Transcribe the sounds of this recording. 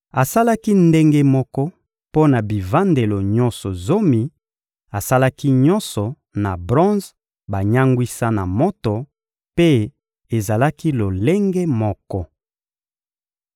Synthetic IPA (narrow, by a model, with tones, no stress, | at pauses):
a˨sa˦la˦ki˦nde˦ŋɡe˦mɔ˦kɔ˦ | po˦na˨bi˨va˦nde˨lo˨ɲɔ˦nsɔ˨zo˦mi˨ | a˨sa˦la˦ki˦ɲɔ̃˦nsɔ˨ | na˨bʁɔ̃˦z | ba˨ɲa˦ŋɡwi˦sa˦na˨mɔ˦to˨ | pe˦ | e˨za˨la˦ki˦lo˨le˦ŋɡe˦mɔ˦kɔ˦